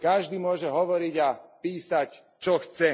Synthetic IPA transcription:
kaʒd̪iːmʊɔʒɛɦɔʋɔɾiɟapiːsac | t͡ʃɔxt͡sɛ

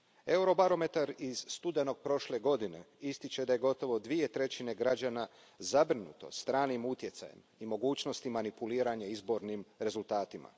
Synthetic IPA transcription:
e̞uɾo̞baɾo̞me̞t̪aɾiz̥st̪ud̪e̞no̞ɡ̚pɾo̞ʃle̞ɡo̞d̪ine̞̰ | ist̪it͡ɕe̞d̪aje̞ɡo̞t̪o̞ʋo̞d̪ʋie̞t̪ɾe̞t͡ɕine̞ɡɾad͡ʒana | zabɾinṵːt̪o̞̰st̪ɾaːnimut̪je̞t̪sa̰jḛmimo̞ɡuːt͡ʃno̞st̪imanipuliːɾaɲaizbo̞ɾnimɾe̞zulˠt̪aːt̪ima̰

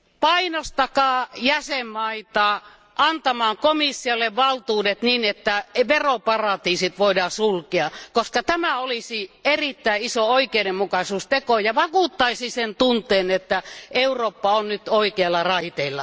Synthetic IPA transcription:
pɑinost̪ɑkɑːjæsemːɑit̪ɑː | ʔɑnt̪ɑmɑːŋkomisːiolːeʋʋɑlt̪uːdet̪niːnet̪ːæʋeropɑrɑt̪iːsit̪ʋoidɑːsulkeɑkoskɑt̪æmæolisierit̪ːæiisooikeiɾemmukɑsuːst̪ekojɑʋɑkuˑt̪ːɑisisent̪unt̪ˑeːnet̪ːæeuroːpːɑonnyt̪oikeɑlːɑrɑit̪eilːɑ

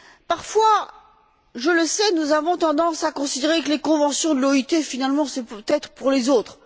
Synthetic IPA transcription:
paʁfwa | ʒələsɛnuzavɔ̃t̪ɑ̃d̪ɑ̃sakɔ̃sid̪eʁekəlekɔ̃vɑ̃sjɔ̃d̪əlɔit̪efinalmɑ̃sɛpt̪ɛt̪χəpuʁlezot̪χ

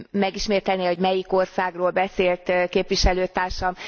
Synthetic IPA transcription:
mɛɡiʃmeːt̪ɛlneːho̞ɟmɛjiko̞rsaːɡroːlbɛseːlt̪keːpʋiʃɛløːt̪aːrʃɒm

